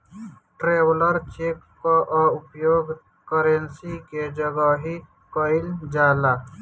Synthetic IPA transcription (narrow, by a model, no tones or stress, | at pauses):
ʈɾeːwləɾt͡ʃekːɔʔʊpjoːɡ | kəɾensiked͡ʒəɡaɦi | kəɪld͡ʒaːla